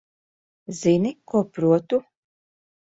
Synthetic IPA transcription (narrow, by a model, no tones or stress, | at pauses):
zinikuɔpɾuɔt̪u